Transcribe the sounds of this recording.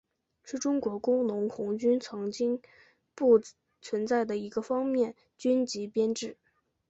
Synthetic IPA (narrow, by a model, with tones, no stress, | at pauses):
ʂɻ̩˥˩ʈ͡ʂʊ˥ŋkwɔ˧˥kʊ˥ŋnʊ˧˥ŋkʰʊ˧˥ŋt͡ɕy˥nt͡sʰɤ˧˥ŋt͡ɕi˥ŋ | pu˥˩ | t͡sʰwə˧˥nt͡sa˥˩ɪd̪ə˩i˧˥ɡə˧fɑ˥ŋmjɛ˥˩n | t͡ɕy˥nt͡ɕi˧˥pjɛ˥nʈ͡ʂɻ̩˥˩